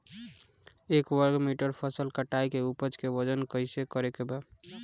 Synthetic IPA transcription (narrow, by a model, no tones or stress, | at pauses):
ekwəɾɡmiʈəɾpʰəsəlkəʈajkeupət͡ʃkeʋəd͡ʒənkəjsekəɾekebe